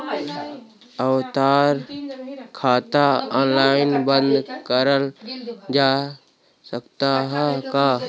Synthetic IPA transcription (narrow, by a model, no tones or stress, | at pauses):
əʋt̪aːɾ | kʰaːt̪aɔːnlaːɪnbə̃nd̪kəɾəld͡ʒaː | səkt̪aɦkaː